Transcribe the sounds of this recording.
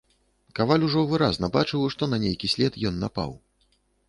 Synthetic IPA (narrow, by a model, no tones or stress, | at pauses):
kavalʲuʐɔvɨɾaznɐbat͡ʂɨwʂt̪ɔnɐnʲejkʲisʲlʲɛt̪jɔnːapa̰w